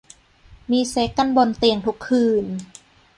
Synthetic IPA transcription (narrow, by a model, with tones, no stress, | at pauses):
miː˧se˦˥kːa˧nbo˧nt̪i˧əŋt̪ʰu˦˥kʰːɯː˧n